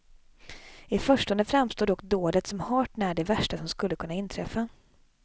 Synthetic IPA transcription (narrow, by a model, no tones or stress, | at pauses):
ɪfœʂʈɔnd̪əfɾamːst̪oːd̪ɔkd̪oːlət̪sɔmhɑːʈnæːɖɛvæʂʈasɔmskɵlːəkʰɵnːaɪnːt̪ʰɾɛfːa